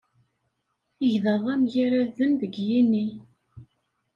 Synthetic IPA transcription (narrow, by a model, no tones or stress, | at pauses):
əʝðɑðˤæmjiɾæðənðəɡjinːi